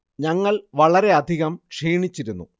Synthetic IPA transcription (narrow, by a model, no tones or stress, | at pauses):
ɲɐŋːɐɭʋɐɭɐɾe̞ɐd̪ʱiɣɐmʂiːɳit͡ɕːiɾunːṵ